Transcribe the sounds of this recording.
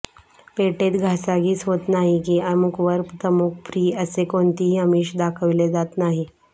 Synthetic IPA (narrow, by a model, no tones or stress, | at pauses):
peʈet̪ɡʱasaɡiːt͡sɦot̪naɦikiːəmukʰʋəɾpt̪əmuk̚ʰfɾiːəsekoɳt̪iɦiɦəmiːɕd̪akʰəʋled͡zat̪naɦi